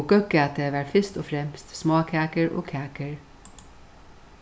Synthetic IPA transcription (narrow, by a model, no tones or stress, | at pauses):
ɡœkat̪əʋæːɹfɪst̪oːfɾɛmst̪smɑːkʰæːkəɹʔo̰ːkʰæːkəɹ